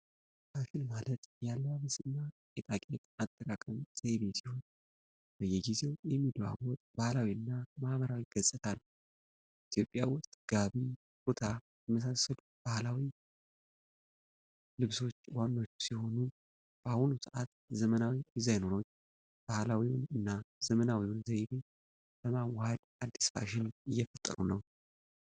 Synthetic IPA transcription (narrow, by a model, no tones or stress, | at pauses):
afɪlmalət̪jalːaβəsɨnːakʼet̪ʼakʼet̪at̪ʼːəkʼakʼəmseβesiho̞n | b̥əjɛɡize̞wjɛmːid̪βa̰wɔt̪ʼbahlawiɨnːamaʔβəɾawiɡ̥əsʼɨt̪ʰanːəw | it̪ʰjo̞pʼːjawʊst̪ʼɡ̥aβi | but̪ʰa | jməs̬asːəlu | b̥ahlawi | lɨβso̞t͡ʃːwanːo̞t͡ʃːsiho̞nu | b̥ahunusɨʔat̪ | zəmənawizajnono | b̥ahlawiwnɨnːaz̥əmənawiwʊnzajbe | ləmawhad̪ | ad̪ːi̥sfa̰ʃɪnɨjːɛfət̪ʼːə̰ɾunəw